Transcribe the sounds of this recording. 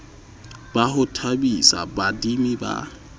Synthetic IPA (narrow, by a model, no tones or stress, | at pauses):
bahʊtʰabisa̰badimiba̰